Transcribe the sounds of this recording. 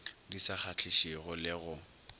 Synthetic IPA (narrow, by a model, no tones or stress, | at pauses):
disak͡xʰat͡ɬʰɪʃiɣʊlɪɣʊ